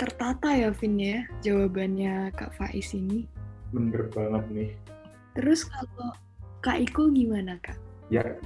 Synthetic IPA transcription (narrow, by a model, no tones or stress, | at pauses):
t̪ərt̪at̪ajafɪnjad͡ʒawabanɲaka̰ʔfa̰ʔɪ̰sinimənd̪ərbaŋət̪̚nɪh | t̪əɾʊskalo | kaʔikuɡimanakaʔja̰ʔ